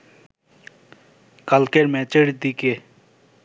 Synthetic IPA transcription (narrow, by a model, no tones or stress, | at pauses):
kɐlkeɾmɛt͡ʃeɽd̪ike